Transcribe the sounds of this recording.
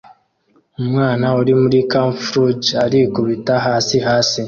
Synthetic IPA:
omwaːnaoɾimuɾikaɱfɾud͡ʒaɾikuβitaɦaːsiɦaːsi

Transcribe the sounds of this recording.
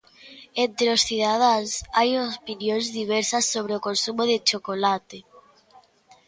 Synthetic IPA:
ent̪ɾeosθiðað̞asajopinjõnzðiβ̞eɾsasːoβ̞ɾeokonsumoðet͡ʃokolat̪e

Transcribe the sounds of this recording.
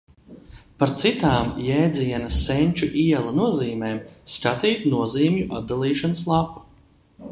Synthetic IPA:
paɾt̪sit̪aːmjɛːd̪ziɛnɐsːɛnʲt͡ʃuʔiɛlˠanuɔziːmeːmskat̪iːt̪nuɔziːmʲjuʔa̰t̪̚d̪alˠiːʃanəs̬lˠapu̥

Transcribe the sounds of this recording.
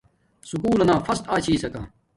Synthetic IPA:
sʊkuːlɐnãːfɐst̪aːt͡ɕʰiːsɐkã̰ː

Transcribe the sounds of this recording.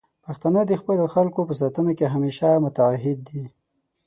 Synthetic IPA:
paxt̪anəd̪əxpəloxalkopəs̬at̪ənakeɦameʃamʊt̪aːɦɪd̪ːi

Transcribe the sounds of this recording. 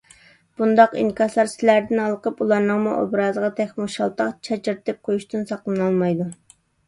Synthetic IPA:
b̥und̪ɑqḭnkʲɑslˠɑɾsɪlæɾd̪ɪnɑlˠəqʰəpulˠɑɾnɨŋmuʔo̰bɾɑːzəʁɑt̪ʰɛxʲmuʃɑlˠt̪ɑqt͡ʃʰɛt͡ʃiɾt̪ɨp̚qʰojuʃt̪ɨnsɑqlˠɨnɑlˠmɑjd̪u

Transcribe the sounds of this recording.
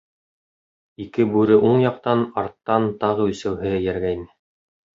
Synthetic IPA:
ikɘbʉɾɘʔuɴjɑq̚t̪ɑnɑɾt̪ːɑnt̪ɑʁɤ̆ɵ̆sæwɦɘ̆jæɾɡæjnɘ

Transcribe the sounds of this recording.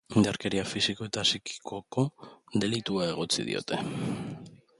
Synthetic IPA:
ind̪aɾke̞ɾiafisiko̞e̞t̪aːsiki̥kʰoko̞ðe̞lit̪uae̞ɣ̞o̞t͡sḭðḭo̞̰t̪e̞

